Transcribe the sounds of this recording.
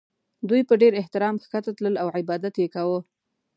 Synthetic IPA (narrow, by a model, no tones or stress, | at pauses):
d̪ujpəɖeɾɪht̪ɪɾɑmxkat̪at̪ləlawʕɪbɑd̪at̪jekawə